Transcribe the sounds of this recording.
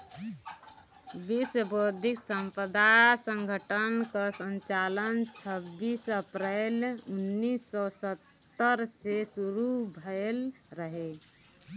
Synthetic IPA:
biswəbod̪ʱiksəmpəd̪asə̃ŋɡʱəʈənkəsənt͡ʃalənt͡ʃʰəbːisəpɾelunːisːɔsət̪ːəɾsesuɾubʱəelɾəɦe

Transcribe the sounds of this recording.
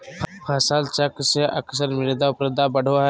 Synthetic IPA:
pʰasaːlt͡ʃəkseʔə̰ksəɾmɪɾd̪aʊpɾəd̪abəɽ̤oa

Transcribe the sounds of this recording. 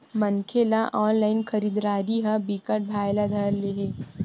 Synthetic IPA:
mɐnkʰelaʔɔːnlaːɪnkʰəɾiːd̪ɾaːɾiɦabikəʈ̚bʱaːjlad̪ʱəɾleɦeː

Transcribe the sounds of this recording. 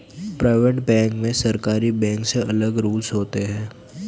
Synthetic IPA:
pɾaːɪʋeʈbɛ̃ːŋkmẽsɐɾkaːɾibɛ̃ːŋkseɐləɡɾuːlsɦoːt̪eɦɛ̃ː

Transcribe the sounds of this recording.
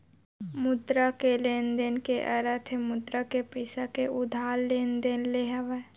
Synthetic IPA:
mʊd̪ɾakeleːnd̪enkeʔəɾət̪ʰemʊd̪ɾakepiɪsakeʊd̪ʱaːlːeːnd̪eːnleɦəʋe

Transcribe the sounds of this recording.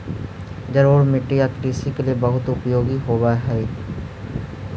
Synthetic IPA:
d͡ʒɐɾoːɽmɪʈːijak̪ɾiːsikeliebəɦʊt̪ʊpjoːɡiɦoːʋaɦɛː

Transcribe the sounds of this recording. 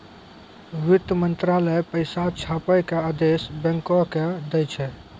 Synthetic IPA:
ʋit̪əmənt̪ɾaləjpəjsat͡ʃʰapəjkead̪esbɛ̃ŋkɔked̪ɛjt͡ʃʰɛ

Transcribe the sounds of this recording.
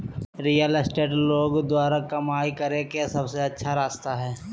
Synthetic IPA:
ɾiːjəlɪsʈeːʈloːɡd̪waːɾakɐmaːikɐɾẽkesɐbseɐtːʃʰaɾaːst̪aɦɛː

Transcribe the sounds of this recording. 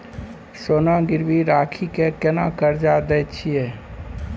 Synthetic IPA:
sonaɡɪɾbiɾakʰikekenakəɾd͡ʒad̪ɛjt͡ʃʰije

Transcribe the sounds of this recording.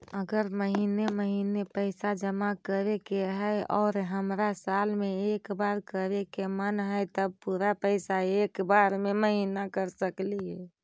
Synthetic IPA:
əɡəɾməɦineməɦinepəɪsad͡ʒəmakəɾekeɦəjɔ̰ːɾɦəmɾasalmeekbaɾkəɾekemənɦəjt̪əb̚puɾapəɪsaekbaɾmeməɦinakəɾsəkliɦɛ

